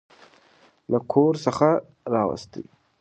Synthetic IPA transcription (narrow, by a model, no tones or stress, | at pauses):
lakʰoɾsəxa | ɾɑwa̰st̪ə̰j